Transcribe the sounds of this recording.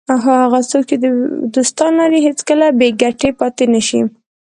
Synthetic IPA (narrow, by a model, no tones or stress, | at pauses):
aɦɑhaɣat͡sok̚t͡ʃed̪əd̪ost̪ɑnːɑɾiɦet͡skəlabeɡaʈepɑt̪enaʃi